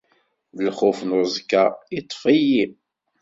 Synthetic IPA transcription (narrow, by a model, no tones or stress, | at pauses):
ðəlχʊfnoɾzkːait̪ˤːfiji